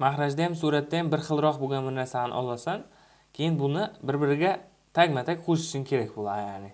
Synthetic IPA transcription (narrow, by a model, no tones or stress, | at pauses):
maχɾad͡ʒd̪ajamsuɾat̪ːajambɪɾχɨlˠɾɒqboɡʲanmɪnnasahnʔɒ̰lˠasan | kʲʰe̞jɪnbʊnɪbɪɾbɪɾɪɡʲa | t̪ʰaɡʲmat̪ʰakʲqʰoʃɪ̥ʃɪnkʲʰe̞ɾakʲbolˠajanɪ